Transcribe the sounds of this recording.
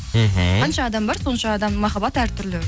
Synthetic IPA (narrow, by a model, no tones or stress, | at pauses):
m̩ɦ̩qʰɑnʃɑːd̪ɑmbɑɾso̞nʃɑːd̪ɑmmɑχɑbɑt̪æɾt̪ʰʏɾlɪ